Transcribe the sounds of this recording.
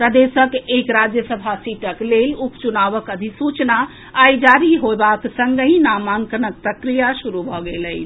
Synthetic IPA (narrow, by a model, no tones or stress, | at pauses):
pɾəd̪esəkekɾad͡ʒjəsəbʱasiʈəklelupt͡ʃunaʋəkəd̪ʱisut͡ʃnaː | jd͡ʒaɾiɦoebaksəŋɡəĩnamaŋkənək̚pɾəkɾijaʃuɾubʱɔɡeləɪt͡ʃʰ